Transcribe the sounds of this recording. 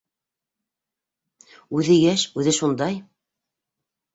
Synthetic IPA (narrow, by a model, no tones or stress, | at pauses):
ʉðɘjæʃʉðɘʃund̪ɑj